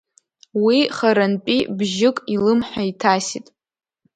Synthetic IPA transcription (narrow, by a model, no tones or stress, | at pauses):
wiχaɾanpʲʼibʒɪkʼilɨmħʷaitʰasitʼ